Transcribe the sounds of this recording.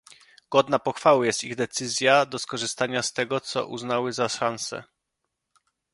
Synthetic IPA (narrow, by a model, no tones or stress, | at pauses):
ɡ̥ɔd̪napɔxfawɘjɛst̪iɣd̪ɛt̪sɘzʲjad̪ɔskɔʐɘst̪aɲast̪ɛɡɔt̪sɔ̰ʔṵznawɘzaʂansɛ̰